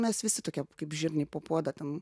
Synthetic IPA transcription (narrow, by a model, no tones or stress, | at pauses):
mʲɛsʋʲɪsʲɪt̪oːkʲɛkɐɪpʒʲɪɾʲnʲeːpoːpuɔd̪ɐt̪ʲɛn